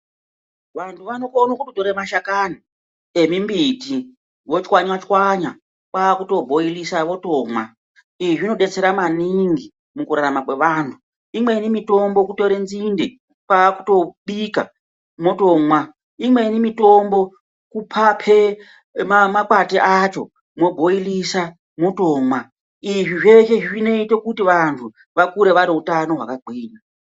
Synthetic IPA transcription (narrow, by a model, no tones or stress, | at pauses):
ʋantʰuʋanokonokutotoɾemaʃakani | e̞mimbiti | ʋo̞t͡ʃwaɲwat͡ʃwaɲa | kwakuto̞bʱo̞ilisaʋo̞to̞ːmwa | iʐino̞ɗe̞t͡seɾamaniŋɡi | mukuɾaɾamakwe̞ʋaːntʰu | imwe̞inimito̞mbo̞kutoɾe̞nzinde | paku̥to̞ɓika̰ | mo̞to̞mwa | imwe̞inemito̞mbo̞ | kupʰapʰe̞ | mamakwatiʔat͡ʃo̞̰ | mo̞bʱo̞ilisa | moto̞ːmwa | iʐiʐe̞ʃe̞ʐiʐine̞itekutiʋantʰu | ʋakuɾe̞ʋaɾeɦutano̞ɦwa̰kaɡʱwiːna